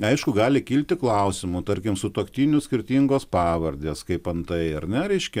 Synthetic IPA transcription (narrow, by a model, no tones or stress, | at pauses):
ɐɪʃkʊɡɑːlʲɪkʲiːlʲt̪ʲɪklˠɐʊsʲɪmʊt̪ɐɾʲkʲɪmsʊt̪oːkt̪ʲiːnʲʊsʲkʲɪrʲt̪ʲiŋɡoːspɑːʋɐɾʲd̪ʲeːskɐɪpɐnt̪ɐɪɐrnʲɛɾʲɛɪʃʲkʲɛ